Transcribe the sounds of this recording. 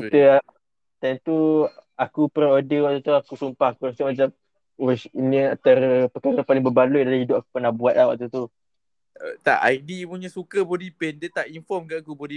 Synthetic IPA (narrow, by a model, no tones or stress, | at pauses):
kit̪əa | t̪ɛnt̪uakupərodəwaʔt̪ːat̪uakusumpaakuɾasəmat͡ʃam | wɛsinəat̪ərəpəkaɾapalɪŋbəbaluʔidalaɦidʊp̚aku̥pənahbuat̪̚lawa̰t̪at̪u | t̪a̰ʔa̰idimuɲəsukəbodipɛndət̪aʔinfɔmkaʔakubodi